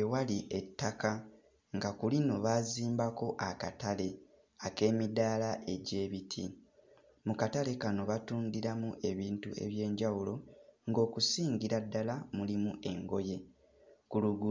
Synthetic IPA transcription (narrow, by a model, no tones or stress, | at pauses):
ewaliʔe̞tːaka | ŋɡakulino̞βaziːmbako̞ʔaka̰tale̞ | ake̞ːmidaːlaʔe̞ɟe̞ːβitʰi | mukatale̞kano̞βatuːndiɾamuʔe̞βiːntue̞̰βje̞ːɲɟawulo̞ŋɡo̞ːkusiːɲɟiɾadːalamulimuʔe̞ŋɡo̞je̞ | kuluɡu